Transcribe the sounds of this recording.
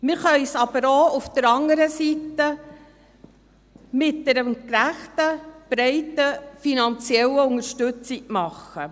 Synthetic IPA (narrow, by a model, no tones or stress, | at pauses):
mɪɾχœʏsɑbəɾoʊfd̥̪əɾɑŋəɾəsit̪ə | mɪt̚dɛɾəmkɾæχtəb̥ɾɛɪtəfinɑnt͡sjɛləʊŋəɾʃtʉt͡sɪɡmɑχə